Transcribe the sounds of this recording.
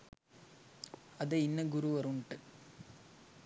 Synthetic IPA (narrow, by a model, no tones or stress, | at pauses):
ɐðɐɪnːɐɡʊɾuʋɐɾuɳʈɐ